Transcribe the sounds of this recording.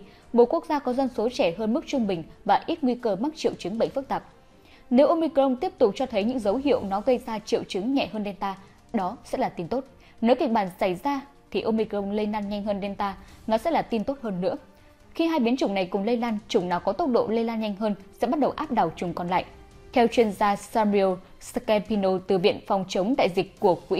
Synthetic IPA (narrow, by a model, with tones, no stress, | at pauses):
ɓo̰˧˨ku˦˥ək̚zaː˧kɔ˨˦zə˧nso˨˦t͡ɕɛ˧˩ɦəː˧nm˦˥k̚t͡ɕʊ˧ŋ͡mɓï˨˩ŋ̟vaː˨˩ʔi˦˥t̚ŋwi˧kəː˧m˦˥k̚t͡ɕḭ˧˨əwt͡ɕɨ˨˦ŋɓə̰˧˨jŋ̟fɨ˦˥k̚t̪aː˨˩p̚ | ne˨˦wʔo˧mi˧kə˧wŋ͡mt̪i˦˥əp̚t̪ʊ˨˩k͡p̚t͡ɕɔ˧t̪ʰə˨˦jɲɨ̰˧˥ŋzə˨˦wɦḭ˧˨əwnɔ˨˦ɣə˧jzaː˧t͡ɕḭ˧˨wt͡ɕɨ˨˦ŋɲɛ̰˧˨ɦəː˧nɗe˧nt̪aː˧ | ɗɔ˨˦sɛ̰˧˥laː˨˩t̪i˧nt̪o˦˥t̚ | ne˨˦wki˨˩ək̚ɓaː˧˩nsa˧˩jzaː˧ | t̪ʰi˨˩ʔo˧mi˧ko˧wŋ͡mle˧laː˧nɲa˧jŋ̟həː˧nɗe˧nt̪aː˧nɔ˨˦sɛ̰˧˥laː˨˩t̪i˧nt̪o˦˥t̚həː˧nːɨ̰˧˥ə | xi˧ɦaː˧jɓi˨˦ənt͡ɕʊ˨˧˩ŋ͡mna˨˩jkʊ˨˩ŋ͡mle˧jlaː˧nt͡ɕʊ˨˧˩ŋ͡mnaː˨˩wkɔ˨˦t̪ə˦˥wk͡p̚ɗo̰˧˨le˧laː˧nɲa˧jŋ̟ɦəː˧nsɛ̰˧˥ɓa˦˥t̚ɗə˨˩wʔaː˦˥p̚ɗa˨˩wt͡ɕʊ˨˩ŋ͡mkɔ˨˩nla̰ː˧˨j | t̪ʰɛ˧wt͡ɕwi˧ənzaː˧saː˧mi˧o˧ | skɛ˧mpi˧no˧t̪ɨ˨˩vḭ˧˨ənfɔ˨˩wŋ͡mt͡ɕə˨˦ŋ͡mɗ̪a̰ː˧˨jzï˨˩k̟̚ku˧˩ək̚wḭ˧˥